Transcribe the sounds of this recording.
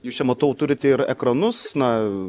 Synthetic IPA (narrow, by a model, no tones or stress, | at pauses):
juːsʃʲɛmɐt̪oːʊt̪ʊɾʲɪt̪ʲɛɪɾɛ̰kɾɐnʊsnɐ